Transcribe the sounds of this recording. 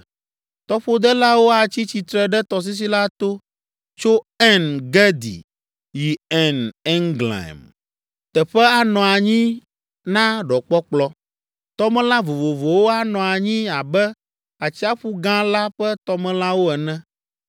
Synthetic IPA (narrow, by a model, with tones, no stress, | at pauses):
t̪ɔ˦ɸo˦d̪ɛ˦la˦wo˦a˨t͡ɕi˦t͡ɕi˨t̪ɾɛ˦ɖɛ˦t̪ɔ˨s̬i˦s̬i˦la˦t̪o˦ | t͡ʃo˦ | ɛ˦nɡɛ˦d̪ḭ˨ | ji˨ɛ˨nɛ˦ŋɡlã̰˨m | t̪ɛ˨ɸɛ˦a˨nɔ̃˨a˨ɲĩ˦ | nã˦ɖɔ˨k͡pɔ˦k͡plɔ˦ | t̪ɔ˦mɛ̃˦lã˦vo˨vo˨vo˨wo˦a˦nɔ̃˨a˨ɲĩ˦a˨bɛ˦ | a˨t͡ɕi˦a˦ɸu˦ɡã˦la˦ɸɛ˦t̪ɔ˦mɛ̃˦la˦wo˦ɛ˨nɛ̃˦